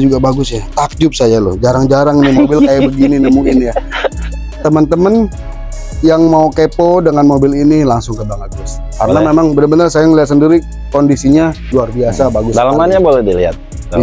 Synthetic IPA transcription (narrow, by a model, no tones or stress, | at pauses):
d͡ʒuɡabaɡʊsjat̪ak̚d͡ʒʊp̚sajalʊ̰hd͡ʒaɾaŋd͡ʒaɾaŋinimobɪlkajabəɡininəmuɪnja | t̪əmənt̪əmən | jaŋmaukepodəŋanmobɪlinilaŋsʊŋkəbaŋət̪̚ɡʊs | karənamemaŋbənəbənərsajaŋəliat̪səndiɾi | kondisiɲaluarbiasabaɡʊsdalamanɲabolɛhdilia̰t̪̚